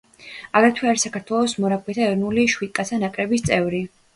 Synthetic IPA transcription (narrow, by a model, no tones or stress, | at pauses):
aɡɾɛt̪ʰwiaɾɛsakʰaɾt̪ʰwɛlˠɔsmɔɾakʰwɛt̪ʰaɛɾɔnuliʃwit̪̚kʼat̪sʰanakʼɾɛbist̪sʼɛvɾi